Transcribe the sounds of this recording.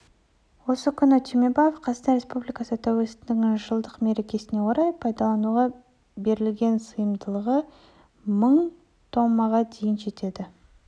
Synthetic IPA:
wo̞səkʲʰʏnɪt̪ʲʰemebajefqʰɑsənɑɾʲe̞spublijkɑsət̪ʰæwelst̪ɪnɪŋʒəlˠd̪əqme̞ɾe̞kʲe̞sɪne̞wʰoɾɑjpʰɑjd̪ɑlˠɑnuʁɑ | be̞ɾɪlɡʲe̞nsəjəmd̪əlˠəʁə | məɴ | t̪ʰo̞mːɑʁɑd̪e̞jɪnʒe̞t̪e̞d̪ɪ

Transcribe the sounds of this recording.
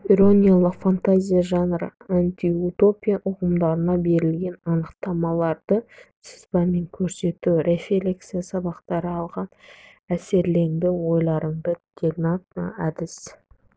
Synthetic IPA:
iɾo̞nʲijalˠəqfant̪azʲijaʒɑnrə̰ant̪ʲiut̪o̞pʲijaʔʊʁəmd̪ɑɾənɑbe̞ɾɪlɡʲe̞nɑnəqt̪ɑmɑlˠɑɾd̪ə | sɪ̥spɑme̞ŋkʲʰɵɾse̞t̪uwɾe̞felʲeksijasɑbɑqt̪ɑɾəɑlˠʁɑn | æse̞ɾle̞ŋd̪ɪwo̞jlˠɑɾəɴd̪ət̪ʲʰeɡnɑt̪æd̪ɪs

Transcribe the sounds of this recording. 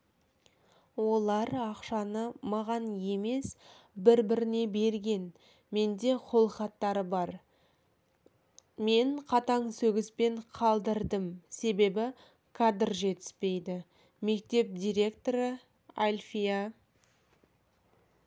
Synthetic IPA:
wo̞lˠɑɾɑqʃɑnəmɑʁɑnje̞me̞sbɪɾbɪɾɪne̞be̞ɾɡʲe̞n | me̞nd̪e̞qʰo̞lˠəχɑt̪ːɑɾəbɑɾ | me̞ɴqʰɑt̪ɑŋsɵɡʲɪspe̞ɴqʰɑlˠd̪əɾd̪əmse̞be̞bɪ | kʰad̪rʒe̞t̪ɪ̥spe̞jd̪ɪ | me̞kt̪e̞p̚d̪ʲijɾʲe̞kt̪o̞ɾə | alʲfija

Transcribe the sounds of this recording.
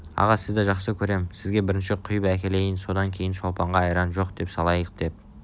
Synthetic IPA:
ɑ̰ʁɑsɪzd̪ɪʒɑqsəkʲʰɵɾe̞msɪzɡʲe̞bɪɾɪnʃɪqʰʊjpækʲe̞le̞jɪnso̞d̪ɑŋkʲʰe̞jɪnʃolˠpɑɴʁɑːjɾɑnʒo̞qd̪̥e̞psɑlˠɑjəq̚d̪̥e̞p̚

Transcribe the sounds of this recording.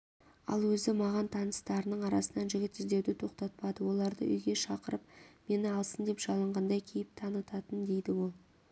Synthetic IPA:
ɑ̰lˠwɵzɪmɑʁɑnt̪ʰɑnəst̪ɑɾənəɴɑɾɑsənɑnʒɪɡʲɪt̪ɪzd̪ewd̪ɪt̪ʰo̞qt̪ɑt̪̚pɑd̪əwo̞lˠɑɾd̪ə̰ʔʏ̰jɡʲe̞ʃɑqəɾəp̚me̞nɪɑlˠsənd̪e̞pʒɑlˠəɴʁɑnd̪ɑjkʲʰejɪp̚t̪ʰɑnət̪ɑt̪ənd̪e̞jd̪ɪwo̞lˠ

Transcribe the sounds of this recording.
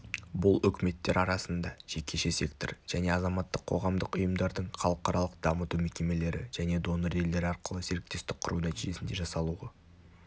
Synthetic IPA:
bʊlˠʏkʲɪme̞t̪ːe̞ɾɑɾɑsənd̪ɑʒ̥e̞kʲʰe̞ʃe̞se̞k̚t̪orʒ̥æne̞ɑzɑmɑt̪ːəqʰo̞̰ʁɑmd̪əqʊjəmd̪ɑɾd̪əɴχɑlˠəqɑɾɑlˠəq̚d̪̥ɑmət̪umekʲe̞me̞le̞ɾɪ̰ʒ̥æne̞d̪o̞nəɾe̞ld̪e̞ɾɪɑɾqəlˠəse̞ɾɪk̚t̪e̞st̪ɪk̚qʰːʊ̰ɾunæt̪iʒe̞sɪnd̪e̞ʒɑsɑlˠuʁɑ

